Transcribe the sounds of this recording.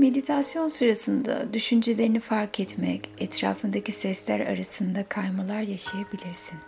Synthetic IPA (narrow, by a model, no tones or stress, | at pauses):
me̞d̪it̪ʰasjo̞nsɯɾasɯnd̪a̰d̪yʃynd͡ʒelʲe̞ɾinifaɾkʰɛt̪mɛcɛt̪ʰɾa̰ːfɯnd̪acʰisɛslʲæ̰ɾa̰ɾasɯnd̪akʰajmalˠaɾjaʃajabilʲiɾsin